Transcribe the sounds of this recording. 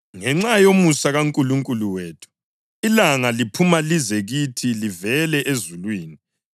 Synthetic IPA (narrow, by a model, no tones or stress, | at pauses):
ŋɛŋ͡ǁajomusaɣaŋkʼuluŋkʼuluweːtʰu̥ | ilaŋalipʰumalizɛɣitʰilivɛlɛʔezulwiːni